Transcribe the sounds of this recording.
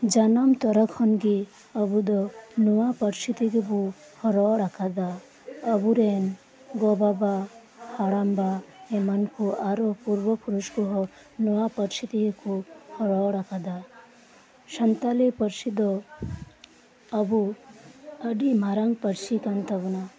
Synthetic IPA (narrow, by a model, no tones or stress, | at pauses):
d͡ʒanamt̪ɔɾəkʰhɔnɡi | ɐbud̪ɔnuʋapɐɾʃit̪ikibu | hɔɾɔɽakʰad̪a | ɐbuɾeːn | ɡobaba | haɽambaemɐnkuʔaɾopuɾʋɔpuɾuʃkuɦɔ | nuʋapɐɾʃit̪iikuhɔɾɔːɽakʰad̪a | ʃɐnt̪alepɐɾsid̪ɔ | bu | ɐɖimaɾaŋɡpɐɾsikant̪ɐbuna